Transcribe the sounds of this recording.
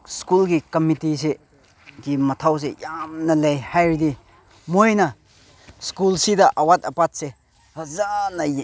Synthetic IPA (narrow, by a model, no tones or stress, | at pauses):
skulkikɔmitis̬e | kimɐt̪ʰaws̬ejamnɐlejhajɾd̪i | mojnɐ | skulsid̪ɐʔɐwat̪̚ɐpat̚se | ɐzanɐj